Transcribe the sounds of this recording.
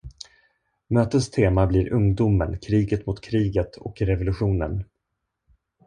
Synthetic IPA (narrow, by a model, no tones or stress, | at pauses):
møːt̪əst̪ʰeːmabliɾʔɵŋd̪ʊmə̰nkʰɾiːɡət̪mʊt̪kʰɾiːɡət̪ʰɔkɾɛvʊlɵɧuːnə̰n